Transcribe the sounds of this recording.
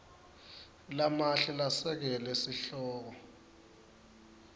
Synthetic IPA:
lamaɬilasɛk̬ɛlɛsiɬɔːk̬ɔ

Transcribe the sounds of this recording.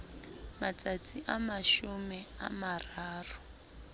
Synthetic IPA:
mat͡sat͡sʰʼiʔamaʃumɛa̰maraːru

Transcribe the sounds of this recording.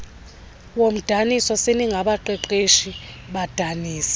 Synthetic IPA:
wom̩d̥ʱanisɔseniŋɡʱaɓaǃɛǃeʃiɓad̥ʱaniːsḁ

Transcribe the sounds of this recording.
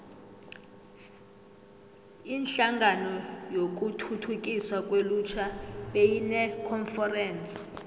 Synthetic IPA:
inɬaŋɡʱanɔjok̬ʼutʰutʰuk̬ʼiswak̬ʼwelut͡ʃʰaɓejinɛkʰɔnfɛrɛːns

